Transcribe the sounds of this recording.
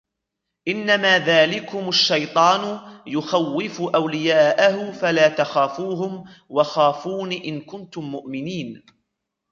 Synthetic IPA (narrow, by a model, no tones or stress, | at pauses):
ʔɪnːamaːðaːlɪkʊmaʃːɑjt̪ˤɑːnʊjʊxawːɪfʊʔawlɪjaːʔahʊfalaːt̪axaːfuːɦʊmwaxaːfuːniːʔɪnkʊnt̪ʊmːʊʔmɪniːn